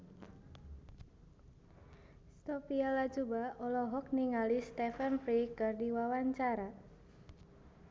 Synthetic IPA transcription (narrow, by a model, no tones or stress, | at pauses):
st̪ɔpialad͡ʒubaɔlɔɦɔk̚niŋalist̪ɛfənfɾikɨrdiwawaɲt͡ʃaɾa